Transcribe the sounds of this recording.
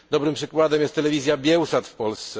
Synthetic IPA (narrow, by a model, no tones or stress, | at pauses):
d̪ɔbɾɘmpʂɘkwad̪ɛmjɛst̪ːɛlɛvʲizʲjabʲjɛwsat̪fpɔlst̪sɛ